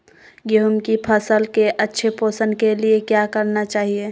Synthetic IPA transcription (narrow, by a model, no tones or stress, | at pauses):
ɡeɦʊmkipʰəsəlkeʔɐtːʃʰepoːsənkeliekjakəɾnat͡ʃaːɦieː